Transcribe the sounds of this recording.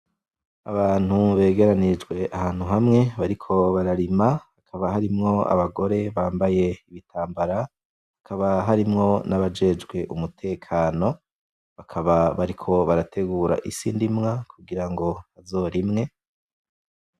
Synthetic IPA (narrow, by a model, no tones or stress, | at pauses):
a̰βaːn̥huβe̞ːɡe̞ɾanid͡ʒɡwe̞ʔahaːn̥huɦamŋe̞βaɾikʰo̞βaɾaɾimahakʰaβahaɾimŋo̞a̰βaɡo̞ɾe̞βaːmbaje̞iβitʰaːmbaɾa | hakaβaɦaɾimŋo̞naβad͡ʒe̞d͡ʒɡwe̞ʔumutʰe̞ːkʰaːno̞ | βakʰaβaβaɾikʰo̞βaɾatʰe̞ɡuːɾa̰ʔisḭːndimŋakʰuɡiɾaŋɡo̞βazo̞ːɾimŋe̞